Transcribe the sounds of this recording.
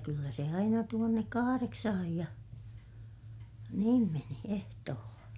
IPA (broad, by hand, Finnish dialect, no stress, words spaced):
kylːæ se ɑinɑ tuonːek kɑhɑreksɑhɑj jɑ niːm meni ehtoːlːɑ